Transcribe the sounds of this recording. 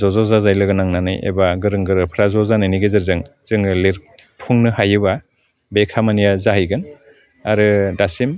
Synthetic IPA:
zɔzɔzazajlɯɡɯnaŋnanɯ̰jḛbaɡɯɾɯŋɡɯɾɯpʰɾazɔzanɯniɡezɯɾzɯŋz̥ɯŋɯliɾpʰuŋnɯɦajɯba | bekʰamanijazaɦɯjɡɯn | aɾɯdasim

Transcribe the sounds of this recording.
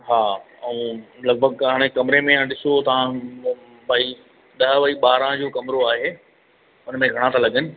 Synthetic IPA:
ɦaː | ɐ̃lɐɡ̚bʱəɡɦaːɽ̃ekɐmɪɾemẽãɗɪsot̪ɐʋ̤ã | baːi | ɗɐɦəʋɐiɓaːɾãd͡ʑoːkɐmɪɾoaːɦeː | ʊnmẽɡʱɐɽ̃ãt̪ʰalɐɠənɪ̆

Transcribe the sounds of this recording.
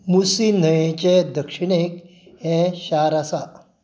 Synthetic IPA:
musinəjẽt͡ɕed̪əkʂiɳek | hɛ̃ɕaɾasa

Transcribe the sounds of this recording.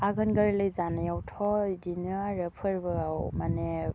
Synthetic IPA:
aɡɯnɡəɾilɯjzanejawtʰɔdinɯaɾɯpʰɯɾbɯɡawmane

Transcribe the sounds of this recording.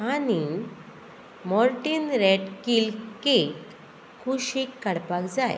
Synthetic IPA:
ani | mɔɾʈinɾeʈkilkek | kʰuɕikːəɽpakd͡zaj

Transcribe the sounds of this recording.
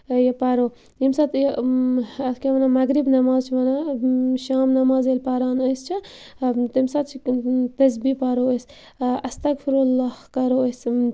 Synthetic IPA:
jɐpɐɾo | imsat̪j | ɐt̪keʋɐnamɐɡɾibnɐmaːzt͡ʃʰiʋɐnaʃaːmnɐmaːzelʲpɐɾaːnəjst͡ʃʰi | t̪ɐmsɐt̪̚t͡ʃʰit̪ɐs̬bipɐɾoəs | ɐst̪ɐkfʰiɾulːahkɐɾoəs

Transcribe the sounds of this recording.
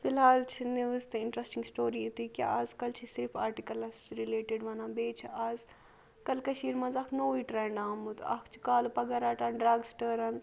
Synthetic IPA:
filɦaːlt͡ʃʰiniʋzt̪ɨɪɳʈɾɐsʈiŋɡsʈoːɾiːt̪iːkʲa̰aːzkɐlt͡ʃʰisiɾpʰaːɾʈikɐlɐssɾileːʈiɖʋɐnãːbeːt͡ʃʰiaːz | kɐlkɐʃiːɾmɐnzɐkʰnoːʋiːʈɾɛːɳɖaːmut̪ɐ̰kʰt͡ʃʰi̥kaːlupɐɡɐɾaːʈaːnɖɾaːɡsʈəːɾɐn

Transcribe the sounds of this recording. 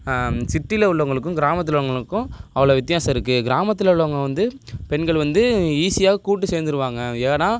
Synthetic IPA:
sɪʈːɪlɐʊɭːɐʋɐŋɡɐɭɯkːʊ̃ɡɪɾaːmɐt̪ːɯlɐʋʊŋɡɐɭɯkːʊ̃ɐʋɐɭɐʋɪt̪̬ːɪjaːsɐɪɾɯkːɯɡɪɾaːmɐt̪ːɪlɐʊɭːɐʋɐŋɡɐʋɐnd̪ɯpɛnɡɐɭʋɐnd̪ɯiːsɪjaːɣɐkuːʈːɯseːɾnd̪ɯɾɯʋaːŋɡɐeːnaː

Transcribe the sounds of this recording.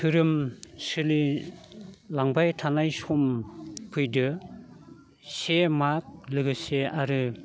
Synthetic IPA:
tʰɯɾɯmsɯli | laŋbajtʰanajsɔmpʰɯjdɯ | semak̚lɯɡɯseʔaɾɯ

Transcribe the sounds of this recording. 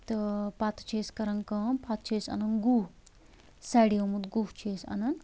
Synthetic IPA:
t̪ɐpat̪t͡ʃʰeːskɐɾɐŋkɐmpʰat̪̚t͡ʃʰeːsɐ̰nɐnɡu | saːɽiɐmut̪ɡuht͡ʃʰeːsɐ̰nɐn

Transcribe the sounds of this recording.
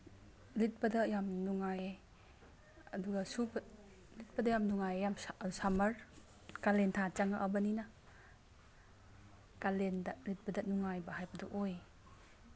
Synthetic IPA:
lit̚bɐdɐjamnuŋaje | ɐduɡɐsubɐ | lit̚bɐdɐjamnuŋajejamssamɐɾ | kalentʰat͡ʃaŋaʔɐbɐninɐ | kalendɐlit̚bɐdɐnuŋajbɐhajbɐduʔoj

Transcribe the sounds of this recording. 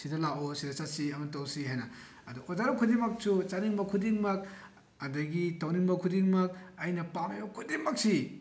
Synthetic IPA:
sidɐlaosidɐt͡ʃatsiɐmɐntɐwsiɦajnɐː | duod͡ʒaɾɐkʰudimɐk̚sut͡ʃaniŋbɐkʰudiŋmɐk̚ | ɐdɐɡitawniŋbɐkʰudiŋmɐk̚ɐjnɐpamajokʰudimɐk̚si

